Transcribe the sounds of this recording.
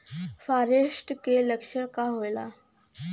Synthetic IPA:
faɾeʂʈkeləkʂəɭkaɦojla

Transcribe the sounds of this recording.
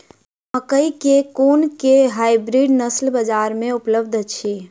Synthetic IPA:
məkəikekonkeɦaɪbɾiɖnəslbəd͡ʒaɾmẽupləbd̪ʱt͡ʃʰi

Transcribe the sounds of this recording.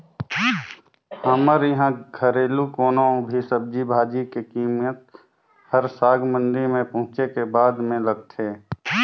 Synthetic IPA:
həməɾjəɦãɡʱəɾeːlukoːnõbʱisəb̚d͡ʒibʱaːd͡ʒikekiːmət̪̚ | həɾsaːɡmə̃nd̪iɾmẽpɐ̃ɦʊ̃t͡ʃekebaːd̪mẽləɡ̚t̪ʰeː

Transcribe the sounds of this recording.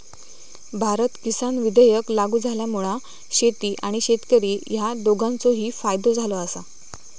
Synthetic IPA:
bʱaɾət̪kisanʋid̪əjəklaɡuːd͡zʱaljamuɭa | ɕet̪iːʔaɽ̃iɕet̪kəɾiːjad̪oɡãnt͡soɦiːfajd̪od͡zʱaloasa

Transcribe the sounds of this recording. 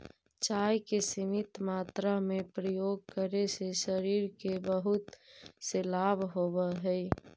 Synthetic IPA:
t͡ʃaːjkesɪmɪt̪maːt̪ɾamẽpɾəjoːɡ̚kəɾeseʃəɾiːɾkebəɦʊt̪selaːbɦobəɦɛi

